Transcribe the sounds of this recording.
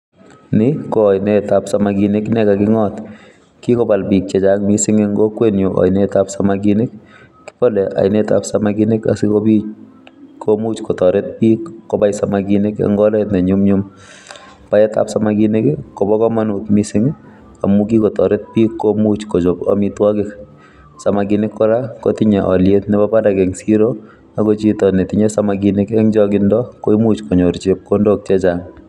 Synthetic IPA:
nɪkojnɛtapsamakinɪknɛkakɪŋɔt | kikɔbalpik̚t͡ʃɛt͡ʃak̚misɪŋeŋɡɔkwenjoʔa̰jnetapsamakinɪkː | i̥pɔlɛʔa̰jneta̰psamakinɪka̰sikopi | kʰomut͡ʃkɔtɔɾet̚piːkːɔbajsamakinɪka̰ŋɡɔlɛtnɛɲumɲum | paɛta̰psamaɡinɪkɪkɔbɔkɔmanutmisɪŋ | a̰mukikɔtɔɾɪt̚pikːomut͡ʃkot͡ʃopa̰mitwakɪk | samaɡinɪkːɔɾakotɪɲɛʔɔ̰ljetnɛbapadakɛŋsiɾo | akot͡ʃitɔnɛtɪɲɛsamaɡinɪkɛŋd͡ʒɔkɪndɔkoimut͡ʃkɔɲoɾt͡ʃep̚kondok̚t͡ʃɛt͡ʃaŋ

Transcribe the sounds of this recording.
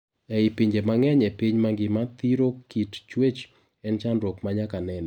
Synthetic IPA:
ɛɪpiɲd͡ʒemaŋɛɲɛpiɲmaŋɡɪmat̪iɾokitt͡ʃwet͡ʃ | ɛnt͡ʃandɾokmaɲakanɛnɛ

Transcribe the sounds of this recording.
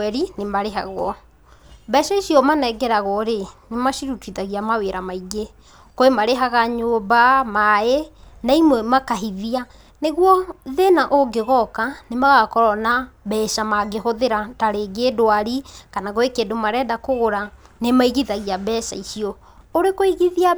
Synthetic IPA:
ɛɾinemaɾeɦa̰ɣwɔ | bɛʃaiʃiɔmanɛɡɛɾaɣɔɾenemaʃiɾutuiðaɣiamaweɾamaiɡe | koemaɾeɦaɣaɲoːbamaenaimwɛmakaɦiðia | neɣwɔðenaʔoɡeɣɔkanemaɣakɔɾɔnabɛʃamaɡeɦoðeɾataɾeɡedoaɾikanaɣoekeːdomaɾɛːdakoɣoɾanemaiɣiðaɣiabɛʃa̰iʃiɔ | oɾekoiɣiðia

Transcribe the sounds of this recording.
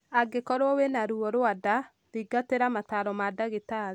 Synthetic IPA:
aɡekɔɾɔwenaɾuɔɾwada | ɾiɡateɾamataɾɔmadaɣeta

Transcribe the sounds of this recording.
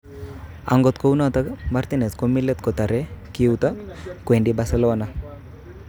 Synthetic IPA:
a̰ŋɡɔt̪kownat̪aɡmaɾt̪ineskomilːet̪̚kɔt̪aɾekiuwt̪akwenɖibaselɔwana

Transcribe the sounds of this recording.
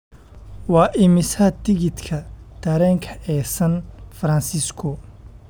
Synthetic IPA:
wɑːʔɪmɪsɐt̪ʰɪɣɪd̪kʰɐd̪̥ʰɐɾɛːŋkʰɐʔɛːsɐnfɐɾɐnsɪskʰɔ

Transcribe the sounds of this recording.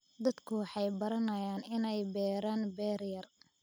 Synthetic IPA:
d̪ɐd̪kʰʊwɑħɑjbɐɾɐnɐjaːnɪnɛjbɛːɾaːnbɛːrjɐr

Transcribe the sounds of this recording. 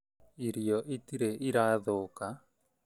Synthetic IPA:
iɾiɔʔitiɾeʔiɾaðoka

